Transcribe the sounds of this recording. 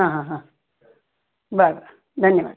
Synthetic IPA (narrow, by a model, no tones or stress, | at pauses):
ɦãːɦãɦã | baɾbaɾ | d̪ʱɐnjəʋa̰ɡ